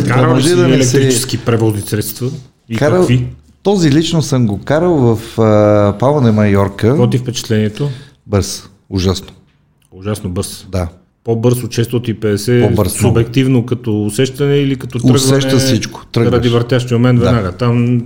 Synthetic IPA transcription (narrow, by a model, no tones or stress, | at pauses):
amoʒɛd̪ɐɛlɛksɛɾit͡ʃɛskipɾɛvɔznisɾɛt̪st̪vɐ | ikaɾəfi | t̪ɔzilit͡ʃnosəmɡokaɾəlˠvəfəpavənɛmɐjɔɾkəɔt̪ifpɛt͡ʃɛ̥t̪lɛniɛt̪o | bɤɾs | ʊʒasno̥ | ʊʒasnobɤɾsd̪a | pobɤɾsot͡ʃɛst̪ɔt̪ipɛd̪ɛsɛpɔbəɾssʊbɛk̚t̪ivnokɐt̪ɔːsɛʃt̪ɐnɛilikɐt̪ɔt̪ɾəɡsvɛʃtɛəsit͡ʃko̥t̪ɾɤɡɾɐd̪ivəɾt̪jaʃt̪imomɛnt̪vɛd̪anaɡət̪am